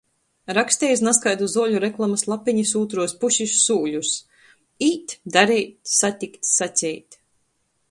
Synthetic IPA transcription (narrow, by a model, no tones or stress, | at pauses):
ɾaksʲt̪ɛːjs̬naskajd̪uzuɔʎʲuɾɛklˠamaslˠapiɲisuːt̪ɾuɔspuʃisːuːʎʲus | iːt̪d̪aɾɛjt̪sat̪ʲikt̪satʲɛjt̪